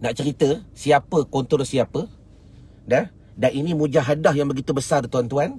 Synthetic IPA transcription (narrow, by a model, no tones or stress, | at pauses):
naʔt͡ʃəɾit̪əsiapəkont̪ɔlsiapə | dɛh | daninĩmũd͡ʒaɦadahjaŋbəɡit̪ubəsart̪uant̪uan